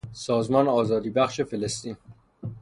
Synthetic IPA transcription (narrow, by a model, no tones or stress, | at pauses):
sɒːzmɒːneɒːzɒːd̪iːbæxʃefelest̪iːn